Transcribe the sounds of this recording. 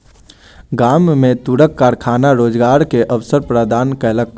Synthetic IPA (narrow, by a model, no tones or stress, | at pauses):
ɡaːmːẽt̪uɽəkːaːɾkʰaːnaɾoːd͡ʒɡaːɾkeʔəʋsəɾpɾəd̪aːnkɛlək